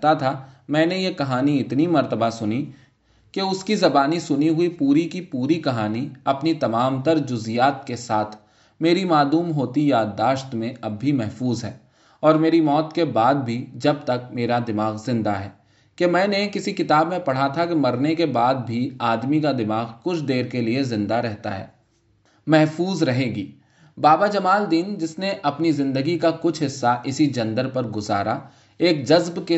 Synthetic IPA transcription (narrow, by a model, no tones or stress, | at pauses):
t̪at̪ʰamɛ̃ːnejekɐɦaːniɪt̪nimɐɾt̪əbasʊni | keʊskizɐbaːnisʊniɦʊipuːɾikipuːɾikɐɦaːniɐpnit̪ɐmaːmt̪əɾd͡ʒʊzijaːt̪̚kesaːt̪ʰ | meːɾimaːd̪uːmɦoːt̪ijaːd̪ːaːʃt̪mẽɐbʱːimɛɦfuːzɦɛː | ɔːɾmeːɾimɔːt̪kebaːd̪̚bʱid͡ʒɐb̚t̪ɐk̚meːɾad̪ɪmaːɣzɪ̃nd̪aɦɛː | kemɛ̃ːnekɪsikɪt̪aːbmẽpɐɽ̤at̪ʰakemɐɾnekebaːd̪̚bʱiaːd̪mikad̪ɪmaːɣkʊt͡ʃʰd̪eːɾkeliezɪ̃nd̪aɾɛɦt̪a̰ɦɛ̰ː | mɛɦfuːzɾɐɦeːɡiː | baːbad͡ʒɐmaːld̪iːnd͡ʒɪsneʔɐpnizɪ̃nd̪əɡikakʊt͡ʃʰɦɪsːaʔɪsid͡ʒɐ̃nd̪əɾpɐɾɡʊzaːɾa | eːkd͡ʒɐzbke